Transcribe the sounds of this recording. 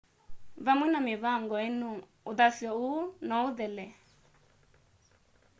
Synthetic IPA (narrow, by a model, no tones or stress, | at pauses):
βamwɛnamɪβaŋɡɔɛnu | uðasjɔunɔuðɛlɛ